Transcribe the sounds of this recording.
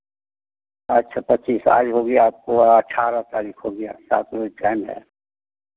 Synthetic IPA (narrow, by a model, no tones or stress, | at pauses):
ɐʃʰapətːt͡ʃiːsa̰ːd͡ʒɦoɡəjaaːp̚koəʈʰaːɾat̪aːɾiːkʰɦoːɡɐja̰sa̰ːt̪ʰɾoʈɛːmɦɛ̰ː